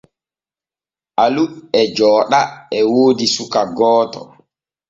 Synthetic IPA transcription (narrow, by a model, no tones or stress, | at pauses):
ʔaluɛd͡ʒɔːɗaɛwoːdisukaɡɔːtɔ̰